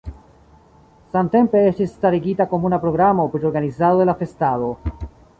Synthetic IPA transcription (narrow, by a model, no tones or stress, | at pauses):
samte̞mpe̞estisːtaɾiɡitako̞munapɾo̞ɡɾamo̞pɾeoɾɡanizadod̪elafe̞stalo̞